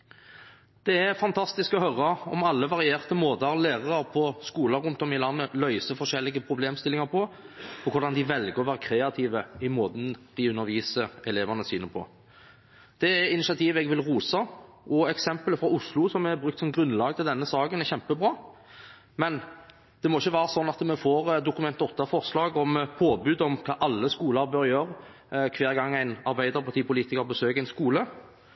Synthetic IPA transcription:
d̪̥ɛæɾfɑnt̪ʰɑst̪ɪskɔhœɾɑɔ̰mɑlːəʋɑʁɪeːʁt̪əmoːd̪ɑʁlæːʁɑʁəʁpʰɔskuːlɑɾʉnt̪ɔmɪlɑnːəlœʏsəfɔʂɛlːɪɡəpʰɾʊbleːmst̪ɪlɪŋɑɾpʰɔ | ɔkʰʊɾd̪ɑnd̪ɪʋɛlɡəʁɔʋæːʁəkʰɾeːɑt̪ʰiːʋəɪmoːd̪nd̪̥ɪʉnːəɾʋiːsəɾɛleːʋɑnəsyːnəpʰɔ̰ | d̪̥ɛɛɪnɪʃɑt̪ʰiːʋɛɡʋɪlʁuːsɑ | ʔɔɛksɛmpələfɾʁɑʊslʊsɔmɛɾbɾʁʉkt̪sɔmɡɾʉnlɑːɡət̪ʰɪld̪ɛnːəsɑːɡənæɛʁçɛmpəbʁɑː | mɛn | d̪̥ɛmɔɪçːəʋæːɾəsɔnːɑt̪mɛfoːɾd̪ʊkʉmɛnt̪ɔt̪ːɑfɔɾslɑːɡɔmpʰoːbʉːd̪ɔmkʰɑːʔɑlːəskuːləɾbœɾjøːɾ | kʰʋeːɾɡɑŋːæɪnɑɾbæɪd̪əɾpʰɑt̪iːpʊliːt̪ɪkəɾbəsøːkæɪnskuːlə

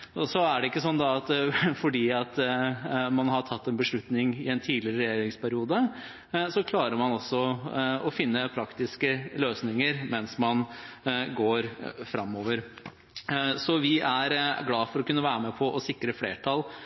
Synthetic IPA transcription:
ɔsɔæɖɛɪkːəsɔnːd̪ɑɑt̪fɔɖiːɑt̪ | mɑnɦɑʈʰɑt̪ːɛnbəʂɭʉt̪nɪŋɪɛnt̪ʰiːlɪɾəɾɛjeːɾɪŋspʰæɾɪuːd̪ə | sɔkʰlɑːɾəɾmɑnɔsːɔɔfɪnːəpʰɾɑkt̪ɪskəløːsnɪŋəɾmɛnsmɑn | ɡoːɾfɾɑmːoːʋəɾ | sɔʋɪʔæɾɡlɑːfɔɾɔkʉnːəʋæːɾəmɛpʰɔʔɔsɪkɾəfleːʈʰɑl

